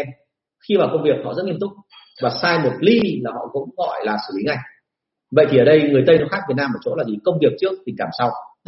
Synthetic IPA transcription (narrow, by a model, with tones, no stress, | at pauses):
xi˧vaː˨˩wkə˧wŋ͡mvi˨˩ək̚hɔ̰˧˨zə˦˥ŋi˧əmt̪ʊ˦˥k͡p̚ | vaː˨˩saː˧jmo˨˩t̚li˧laː˨˩hɔ̰˧˨kʊ̰˧˥wŋ͡mɣɔ˧˩jlaː˨˩sɨ̰˧˩li˨˦ŋa˧˩j | və̰˧˨jt̪ʰi˨˩əː˧˩ɗə˧jŋɨ˨˩əjt̪ə˧jnɔ˧˨˦jxaː˦˥k̚i˨˩naː˧məː˧˨˩t͡ɕo̰˧˥laː˨˩zi˨˩kə˧wŋ͡mvi˨˩ək̚t͡ɕɨ˦˥ək̚t̪ï˨˩ŋ̟kaː˧˩msa˧w